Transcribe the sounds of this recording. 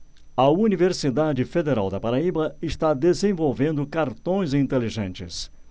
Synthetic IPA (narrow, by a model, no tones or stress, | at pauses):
ɐuniveɾsid̪ad͡ʒɪfed̪eɾa̰wd̪ɐpaɾaibɐɪʃt̪ad̪ezẽvowvẽnd̪ʊkaɾt̪õj̃ziĩnt̪eliʒẽnt͡ʃɪ̰s